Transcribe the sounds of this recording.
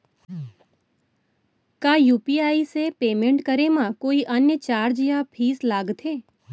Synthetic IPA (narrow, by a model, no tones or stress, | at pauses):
kaːjuːpiaːisepeːmẽɳʈkəɾemãkoːiʔənjət͡ʃaːɾd͡ʒjapʰiːslaːɡt̪ʰeː